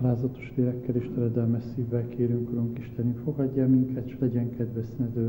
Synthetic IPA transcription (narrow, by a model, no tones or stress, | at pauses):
laːzɒt̪oʃʋeːɾɛkːɛleːʃt̪ɛɾɛd̪ɛlmɛʃsiːvːɛlkeːɾyŋkuɾoŋkiʃt̪ɛnyfo̞ɡɒɟːamiŋkɛt̪ʃlɛɟɛŋkɛd̪ʋɛsnɛd̪øː